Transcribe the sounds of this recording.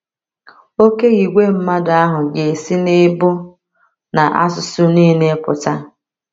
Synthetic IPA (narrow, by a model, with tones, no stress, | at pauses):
o˦ke˦ɣi˨ɡʷe˦m̩˦ma˦da˦ɦʊ˨ɡe˨si˦ne˦bʊ˦ | na˨ʔa̰˦sʊ˨sʊ˦niː˦ne˦pʊ̰˨ta˦